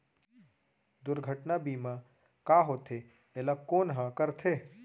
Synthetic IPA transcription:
d̪ʊɾɡʱəʈnabiːmã | kaɦoːt̪ʰe | elakoːnɦãkəɾt̪ʰeː

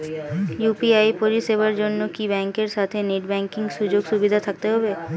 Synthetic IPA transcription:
jupiajpoɾiseβaɾd͡ʑonːokibɛŋkeɾʃat̪ʰeneʈbɛŋkiŋɡʃud͡ʑoɡʃubid̪ʱat̪ʰak̚t̪eɦɔbe

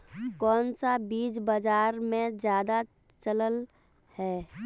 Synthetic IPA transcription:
kɔːnsabiːd͡ʒbəd͡ʒaːɾmẽd͡ʒjaːd̪a | t͡ʃələl | hɛː

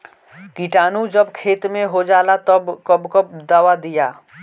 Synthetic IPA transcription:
kiʈaːnũd͡ʒəbkʰeːt̪mẽɦod͡ʒaːlat̪əbkəbkəpd̪aːʋad̪ijaː

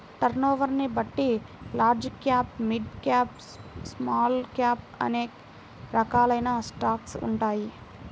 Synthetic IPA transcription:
ʈɐɾnoːʋɐɾnibɐʈːi | laːɾd͡ʒkːjaːpmiɖkaːp | smaːlkjaːp̚ | ɐ̰neː | ɾɐkaːlɐjnaːsʈaːksṵɳʈaːji

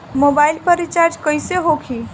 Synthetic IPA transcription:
mobaɪlpəɾit͡ʃaɾd͡ʒkəjseɦokʰi

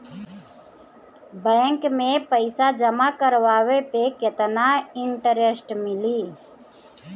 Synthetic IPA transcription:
bɛ̃ːŋkmẽːpəɪsad͡ʒəmaːkəɾʋaːʋepeːket̪naːɪɳʈəɾesʈmɪliː

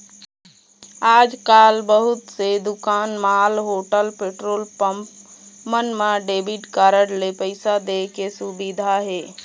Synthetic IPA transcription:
aːd͡ʒkaːlbəɦʊt̪sed̪ʊkaːnmaːlɦoːʈəlpeːʈɾoːlpəpmənmãɖeːbiʈkaːɾəɽlepəɪsad̪ekesʊbid̪ʱaɦeː

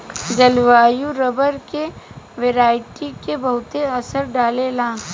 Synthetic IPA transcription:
d͡ʒɐlʋaːjuɾɐbəɾkeʋeːɾaːɪʈikebɐɦʊt̪eɐsəɾɖaːlelãː

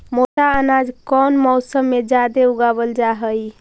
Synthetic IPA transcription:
moʈaənad͡ʒkɔnmɔwsəmːed͡ʒad̪euɡabəld͡ʒaɦəj

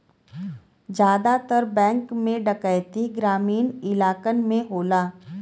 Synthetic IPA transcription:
d͡ʒjaːd̪at̪əɾbɛ̃ːŋkmẽɖəkəjt̪iɡɾaːmiːnɪlaːkənmẽɦoːlaː

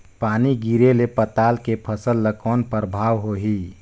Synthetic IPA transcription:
paːniɡiɾelepət̪aːlkepʰəsəlːəkɔːnpəɾbʱaːwɦoɦi

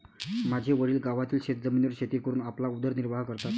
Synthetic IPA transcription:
mad͡ʑʱeʋəɽiːlɡaʋat̪iːlɕet̪d͡zəminʋəɾɕet̪ikəɾuːnaplaud̪əɾniɾʋaɦkəɾt̪at̪

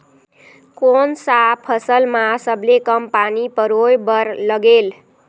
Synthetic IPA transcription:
konsapʰːʌsəlmasʌblekʌmpanipʌɾojbʌɾlʌɡel

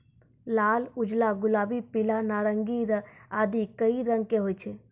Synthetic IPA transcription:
laːlʊd͡ʒlaɡʊlaːbipɪlanaːɾə̃ŋɡiɾəaːd̪ikəiɾə̃ŋɡ̚keɦoːjt͡ʃʰe

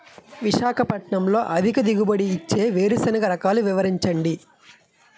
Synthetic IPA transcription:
ʋiʃaːkʰɐpɐʈɳɐmlo̞ːʔɐd̪ʱikɐd̪iɡubɐɽiːt͡ʃːe̞ːʋeːɾusɐnɐɡɐɾɐkaːluʋiʋɐɾiɲt͡ʃɐɳɖi

